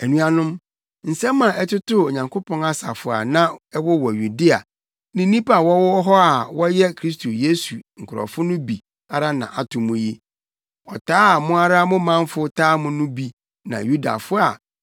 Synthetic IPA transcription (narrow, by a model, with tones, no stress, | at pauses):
ɛ˨nũ˦a˦nʊ̃˦m | n̩˨sɛ̃˦mːã˨ʔɛ˦tʰʊ˦tʊ˦o˨ɲã˨ŋkʰʊ˦pʰɔ̃˦ŋa˦sa̰˨fʊ˨a̰˨nã˦ɛ˦wɔ˦wɔ˨ju˨di˦a̰˨ | nĩ˨˦nĩ˦pa˨wɔ˦wɔ˦ɦɔ˦a˨wɔ˦jɛ˦kʰɾi˦s̬tʰo˨je˦su˨ŋ̩˨kʰʊ˨ɾɔ̰˨fʊ˦nʊ̃˦bi˨ | a˦ɾa˦nã̰˨ʔa˨tʰʊ̃˨mʊ̃˦je˦ | ɔ˨tʰaː˦a˨mʊ̃˦a˦ɾa˦a˦mʊ̃˦mã˦ɱ˦fʊ˦tʰaː˦mʊ̃˦nʊ̃˦bi˨ | nã̰˨ju˦da̰˨fʊ˦a̰˨